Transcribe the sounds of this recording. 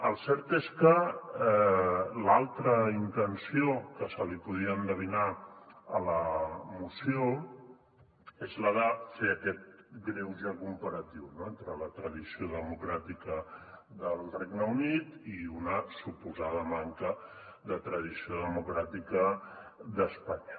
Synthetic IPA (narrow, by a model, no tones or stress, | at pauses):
əlˠsɛɾt̪eskə | lalˠt̪ɾəint̪ənsiokəsəlipuð̞iəːnd̪əβ̞inaələmusjo | ezləðəfeəkɛt̪̚ɡɾewʒakumpəɾət̪iwnoent̪ɾələt̪ɾəðisioðəmukɾat̪ikə | ðəlˠreɡnəunit̪iunəsupuzaðəmaŋkə | ðət̪ɾəðisioðəmukɾat̪ikəðəspaɲə